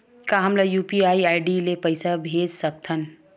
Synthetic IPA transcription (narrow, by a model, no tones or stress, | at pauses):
kaɦɐmlajuːpiaːiaːɪɖilepɐɪsabʱeːd͡ʒsɐk̚t̪ʰɐn